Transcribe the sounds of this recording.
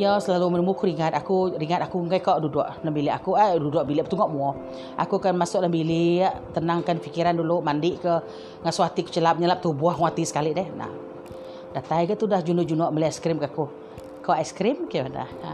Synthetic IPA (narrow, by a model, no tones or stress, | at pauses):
jɔsəlalumənumukuɾiŋat̪̚akuɾiŋat̪̚akuŋɡajkɔʔdudɔʔlambiliʔakuadudʊʔbiliʔbət̪uŋɔʔmuɔ | a̰kukanmasʊʔlambiliaʔt̪ənaŋkanfikiɾandulʊʔmandɪʔkə | ŋasuat̪iku̥t͡ʃəlap̚ɲəlap̚t̪ubuahŋat̪isə̥kalidɛhna̰ | dat̪ajkəʔt̪udahd͡ʒundʊd͡ʒunɔʔməliaskɾimkaku | kɔʔɛsə̥kɾɪmkəda̰h